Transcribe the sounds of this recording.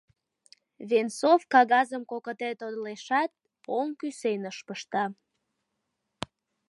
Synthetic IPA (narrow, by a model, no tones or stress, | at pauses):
βensofkɑɣɑzəmkokət̪et̪od̪leʃɑt̪̚ | poŋkysenəʃpəʃt̪ɑ